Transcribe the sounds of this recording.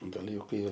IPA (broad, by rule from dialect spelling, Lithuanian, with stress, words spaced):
ɡɐˈlʲɪ ˈjɛʊ ˈkɐɪ